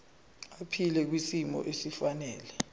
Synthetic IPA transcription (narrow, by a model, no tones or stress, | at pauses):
apʰilɛk̬wisimɔ̰ʔesifanɛːlɛ